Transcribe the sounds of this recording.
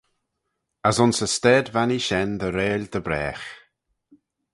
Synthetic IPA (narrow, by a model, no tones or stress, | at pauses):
azʊnsəstɛːd̪vaniʃɛnd̪əɾeːlʲd̪̥əbɾɛ̰ːx